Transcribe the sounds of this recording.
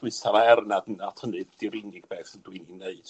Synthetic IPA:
d̥wɨsʰavaɛrnadənatʰənɨdd̥ɪɾinɪɡ̥̚bɛːθəndwɨnineɨd̥

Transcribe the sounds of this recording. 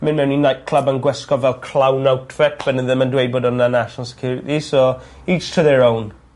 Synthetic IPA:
mɪ̃nmɛwninajt̚kʰl̥ˠəbənɡwɛskɔvɛlˠkʰl̥awnawtʰfɛt̚b̥ənəðə̃mə̃ndwejd̚boːdənanaʃənəlˠsɛ̥kʰjʊːɾɪtisɔ | it͡ʃtʰəðɛɹown

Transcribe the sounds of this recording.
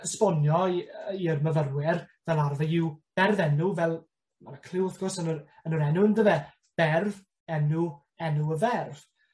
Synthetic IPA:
əspɔnjɔirməvərwɪrvɛlˠarvəɪwb̥ɛrvɛnuvɛlˠ | manakʰl̥ɪwəθɡ̥ɔrsənʊɾənʊɾɛnʊəndəvɛ | b̥ɛrv | ɛnu | ɛnuəvɛrv̥

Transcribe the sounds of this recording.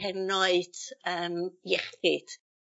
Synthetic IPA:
ɛnɔɨd̥əːmjɛχɪd̥

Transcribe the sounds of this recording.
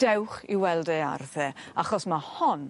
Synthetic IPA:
d̥ɛwχiwɛlˠdea̰rθɛaχɔsmahɔn

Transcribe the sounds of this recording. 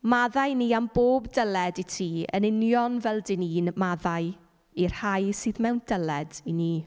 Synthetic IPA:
maðajniːamboːbdəlɛditʰiːə̰nɪnjɔnvɛlˠdɪniːnmaðaj | ir̥hajsɨːðmɛwndəlɛdiniː

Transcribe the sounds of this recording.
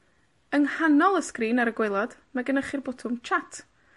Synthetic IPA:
ənhanɔlˠəskriːnaɾəɡwelˠɔd̥maɡənəχɪrbɔtʰʊmt͡ʃʰatʰ

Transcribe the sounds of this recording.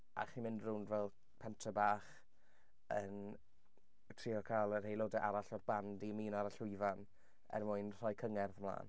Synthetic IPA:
ʔa̰χimɪndrʊndvɛlˠ | pʰɛntʰəbaːχ | ən | tʰriːɔkʰalˠər̥hejlˠoːdɛʔaɾaɬɔrb̥andiəmiːnaɾaɬɪvan | ɛ̰rmʊɨnr̥ɔjkʰəŋɛrðəmlˠa̰ːn

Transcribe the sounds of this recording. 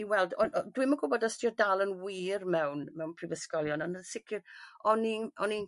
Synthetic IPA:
iwɛlˠdɔdwiməɡʊbɔdəstʰiɔdalˠənwiːrmɛwnmɛwnpʰrivəskɔlˠjɔnɔnənsɪkʰɪrɔninɔnin

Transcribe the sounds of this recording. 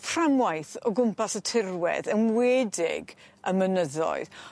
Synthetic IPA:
fʰramwajθɔɡʊmpasətʰɪrwɛ̰ðənweːdɪ̰ɡəmənəðɔ̰ɨð

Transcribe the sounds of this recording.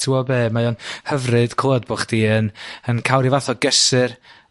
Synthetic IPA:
tʰuɔbeːmajɔnhəvrɨd̥kʰoːd̚boχd̥iːənənkʰawɾivaθɔɡɛsɨr

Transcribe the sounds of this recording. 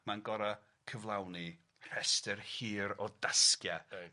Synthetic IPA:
manɡɔɾa | kʰəvlˠawni | r̥ɛstɛrhiːɾɔdaskja

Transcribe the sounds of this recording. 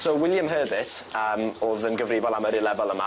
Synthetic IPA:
sowɪlˠjamɦəːbətʰəːmoːðənɡəvrɪvɔlˠaməɾɪlˠɛvɔlˠəma̰

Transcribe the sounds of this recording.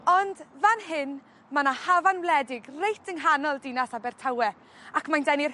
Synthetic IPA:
ɔndvanɦɪn | manahavanwlˠɛdɪɡrejtʰəŋɦanɔlˠdɪnasabɛrtʰawɛ | akmandɛnir

